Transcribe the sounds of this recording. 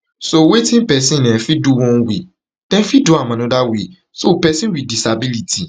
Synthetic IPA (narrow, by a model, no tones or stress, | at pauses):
sowetĩpɛsĩnɛ̃fiduwɔ̃n̩wi | tɛ̃fidoamãnũdawi | sopɛsĩwidisabiliti